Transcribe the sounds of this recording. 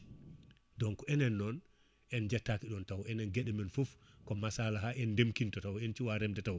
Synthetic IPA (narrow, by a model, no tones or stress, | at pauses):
dɔnkɔɛnɛnːɔn | ʔɛnd͡ʒɛtːakiɗɔntawɛnɛnɡeɗɛmɛnfufkɔmasalaɦaʔɛndemkintɔtawɛnt͡ʃiwaɾɛmdɛtaw